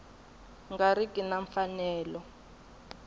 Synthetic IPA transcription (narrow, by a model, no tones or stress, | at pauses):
ŋɡaɾikʼinaɱfanɛːlɔ